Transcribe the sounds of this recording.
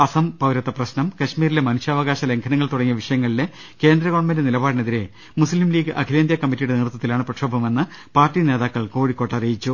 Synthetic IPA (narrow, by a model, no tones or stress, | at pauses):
ɐsɐmpɐʋɾɐt̪ːɐprɐɕnɐmkɐɕmiːɾile̞mɐnuɕaːʋɐɣaːɕɐle̞ŋkʰɐnɐŋːɐɭt̪uɽɐŋːijɐʋiʂɐjɐŋːɐɭile̞ | ke̞ːnd̪ɾɐɣoɳmɐndnilɐbaːɽne̞ðiɾe̞ | muslimliːɡɨʔɐ̰kʰileːnd̪jɐkɐmːitːijuɽe̞neːrt̪ːɐt̪ːilaːɳɨprɐʂoːbʱɐme̞nːɨ | paːrtːine̞ːðaːkːɐɭko̞ːɻikːoːʈːɐrijit͡ɕːu